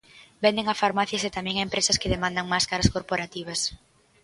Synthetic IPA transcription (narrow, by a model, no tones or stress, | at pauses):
bɛnd̪eŋafaɾmaθjɐset̪amɛ̃ŋaempɾesɐskɪðemãnd̪aŋmaskaɾɐskoɾpoɾat̪iβ̞ɐs